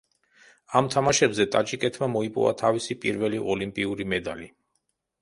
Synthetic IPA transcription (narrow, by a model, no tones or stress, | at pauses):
amt̪ʰamaʃɛbzɛt̪ʼat͡ʃʼikʼɛt̪ʰmamɔipʼɔ̰va̰t̪ʰavisipʼḭɾvɛliʔɔlimpʼiuɾimɛd̪ali